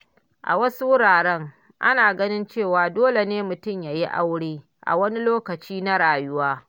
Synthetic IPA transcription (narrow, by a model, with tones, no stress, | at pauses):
ʔa̰˨wɐ˦su˦wʊ˦ɽaː˨ɽɛ˦ŋ | ʔa̰˦naː˨ɡɐ˦nɪ˦nt͡ʃeː˦˨waː˨doː˦le˨neː˦mʊ˨tʊ˦˨mja˨ji˦ʔa˦wɽiː˦ | ʔa̰˨wɐ˦ni˦loː˦kɐ˨t͡ʃiː˦na˦ɽaː˨jʊ˦waː˦